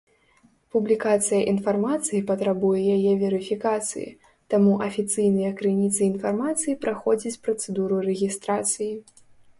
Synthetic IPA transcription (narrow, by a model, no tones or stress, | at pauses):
publʲikat̪sɨjɐʔinfarmat̪sɨjipɐt̪ɾabujɛjajɛvʲɛɾɨfʲikat̪sɨ̰jḭ | t̪amuʔɐfʲit̪sɨjnɨjɐkɾɨnʲit̪sɨinfarmat̪sɨjipɾaxɔd͡zʲit͡sʲpɾɐt̪sɛd̪uɾuɾɛɣʲist̪ɾat̪sɨji